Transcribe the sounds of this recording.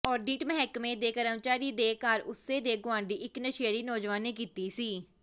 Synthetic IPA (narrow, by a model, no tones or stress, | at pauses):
ɔːɾɖiːʈmɛɦɛːkmẽːd̪eːkəɾəmt͡ʃaːɾiːd̪eːkaːɾʊseːd̪eːɡʊãːɳɖ̪iːɪknəʃeaɽiːnɔːd͡ʒʋaːnẽːkiːt̪iːsiː